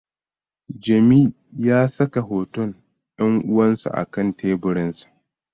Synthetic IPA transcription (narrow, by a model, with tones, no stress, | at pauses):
d͡ʒɐ˨miː˦ | jaː˦sɐ˦ka˨ɦoː˨tʊ˦ŋ | jɐ˦ŋʔʊ˦wɐ˦nsṵ˨ʔa̰˨kɐ˦˨ntʰeː˦bʊ˨ɽɪ˦nsḁ˨ʔ